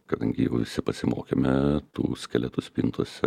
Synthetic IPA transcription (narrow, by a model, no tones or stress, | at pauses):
kɐd̪ɐŋʲɡʲɪjɛʊʋʲɪsʲɪpɐsʲɪmo̰ːkʲeːmʲɛt̪ṵːsʲkʲɛlʲɛt̪ʊsʲpʲiːnt̪uɔsʲɛ